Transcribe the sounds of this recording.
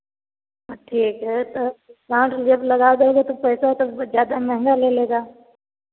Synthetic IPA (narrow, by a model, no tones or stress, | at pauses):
ɔʈʰiːkɦɛːt̪okãːʈd͡ʒɐblɐɡaːd̪eoɡat̪opɛːsat̪ozjaːd̪amɛ̃ɦɛ̃ŋɡaleːleːɡaː